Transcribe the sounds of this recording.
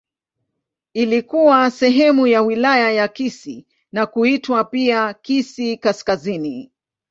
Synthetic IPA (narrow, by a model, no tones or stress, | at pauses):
ilikuwasɛɦɛmujawilajajakisi | nakuitwapiakisikaskazini